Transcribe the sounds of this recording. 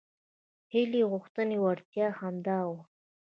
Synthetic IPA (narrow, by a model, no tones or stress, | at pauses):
heleɣʊxt̪ənewaɾt̪jɑhamd̪ɑw